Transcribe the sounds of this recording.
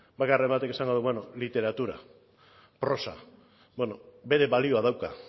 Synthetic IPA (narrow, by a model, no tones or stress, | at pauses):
bakarembat̪e̞kesaŋɡo̞ðuβenolit̪e̞ɾat̪uɾa̰ | pɾo̞sa̰ | beno̞be̞ɾe̞βalio̞aðawka